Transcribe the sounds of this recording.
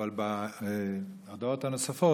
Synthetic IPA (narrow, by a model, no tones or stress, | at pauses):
alba | ad̪aot̪hanosafo